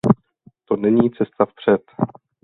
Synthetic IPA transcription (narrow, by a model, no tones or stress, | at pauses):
t̪o̞nɛɲiːt͡sɛst̪afpr̝̥ɛt̪